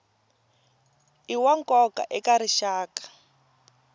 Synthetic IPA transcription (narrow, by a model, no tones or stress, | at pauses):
iwaŋkɔka̰ʔɛkaɾiʃaːkḁ